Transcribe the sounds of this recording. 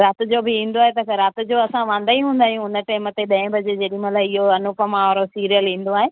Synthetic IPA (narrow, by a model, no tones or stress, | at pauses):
ɾaːt̪ɪd͡ʑobɪĩːnd̪oaːɦet̪̬ɐkɾaːt̪ɪ̆d͡ʑoɐsãʋãːnd̪aiɦũːnd̪aːɦijũʊnə̆ʈeːmət̪eɗɐ̃ɪ̃bʱɐd͡ʑed͡ʑeːɗimɐt̪laɦɪɦoɐnʊpəmãɔɾosiːɾijəlĩːn̆d̪oaːɦeː